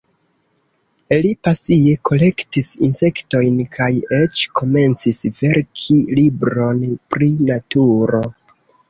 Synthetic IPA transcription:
lipasie̞kʰo̞le̞ktisḭnse̞kto̞jnkʰaje̞t͡ʃkʰo̞me̞nt͡sisve̞ɾkʰilibɾo̞npɾinatuɾo̞

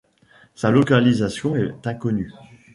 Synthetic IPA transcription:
salɔkalizasjɔ̃ɛt̪ɛ̃kɔny

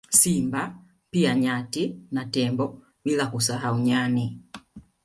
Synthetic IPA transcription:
simba | piaɲatinatɛmbɔ | bilakusaɦauɲani

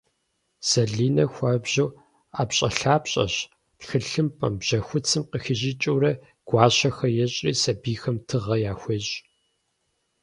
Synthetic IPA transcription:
z̥ɐɮiːnɐxʷɐbʑɐw | aːpɕʼɐɬaːpɕʼɐ̰ɕ | txɨɬɨmpʼɐ̰mbʑ̥ɐxʷʊt͡sʰɨmqəxɪʑit͡ʃʼuwɾɐ | ɡ̥ʷɑːɕɐxɐjɛɕʼriːsɐbiːxɐmtʰɨʁɐjaːxʷeɕʼ

